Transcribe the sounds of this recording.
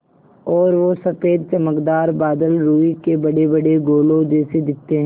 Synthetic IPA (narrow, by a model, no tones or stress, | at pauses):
ɔːɾʋosɐfeːd̪̚t͡ʃɐməkd̪aːɾbaːd̪əlɾuːikebɐɽebɐɽeɡoːlõd͡ʒɛːsed̪ɪk̚t̪ːeɦɛ̃ː